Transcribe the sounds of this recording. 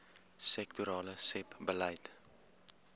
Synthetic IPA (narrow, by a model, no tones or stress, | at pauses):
sɛktuɾɑːləsɛpbələjt